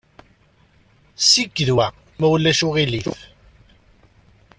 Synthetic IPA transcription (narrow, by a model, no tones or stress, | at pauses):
siɡːðwæ | mæwlːæʃʊʁiliθ